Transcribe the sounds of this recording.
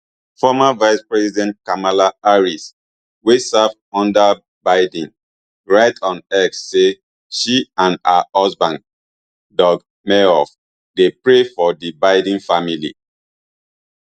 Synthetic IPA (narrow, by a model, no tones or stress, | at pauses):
fɔmavaɪspɹɛsidɛ̃nt̚kamalaaɹis | wesav | ɔ̃ndə | baɪdĩn | ɹaɪtʰɔ̃nɛksːe | ʃiãnaɔsbãn | dɔɡ | meɹɔf | depɹefɔdibaɪdĩnfamilḭ